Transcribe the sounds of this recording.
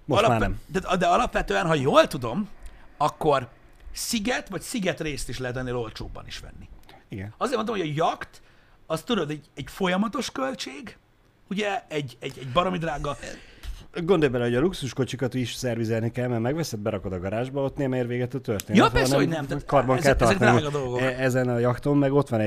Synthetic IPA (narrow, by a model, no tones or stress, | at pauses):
molmaːɾnɛmt̪at̪d̪ɛɒlɒpʋɛt̪øːɛnɦɒjoːlt̪ud̪o̞mɒkːo̞r | siɡɛt̪ʋɒcsiɡɛt̪reːst̪iʃlɛɦɛt̪̬ɛnːeːlo̞lt͡ʃo̰ːbːɒ̰nḭʃʋɛ̰nːiiɡɛnɒzeːrmonomhjɒjɒkt̪ɒst̪ud̪od̪ɛɟɛɟfo̞jɒmɒt̪o̞ʃkø̞lt͡ʃeːɡ | uɟɛɛɟɛɟɛɟbɒɾomid̪raːɡɒ | ɡond̪ojbɛlɛɦo̞ɟɒluksuʃko̞t͡ʃikɒt̪iʃsɛrvizɛlnikɛlmɛmɛɡʋɛsɛd̪̚bɛɾɒko̞d̪ɒɡɒɾaːʒbɒot̪neːmɛeːɾveːɡɛt̪øt̪ørt̪eːnjɒːnɛonɛmt̪at̪kɒrbɒŋkɛlt̪ɛrzɛk̪naiɡɒd̪o̞lɡoɛzɛnɒjɒkt̪omːɛɡo̞t̪ʋɒnɛ